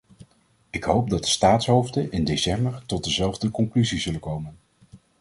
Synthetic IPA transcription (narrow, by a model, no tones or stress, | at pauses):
ɪkɦowp̚dɑt̚d̥ə̥staːtsɦowvdənʔɪndesɛmbəɹtɔt̚dəzɛlˠvdəkɔŋklyzizɵləkowmən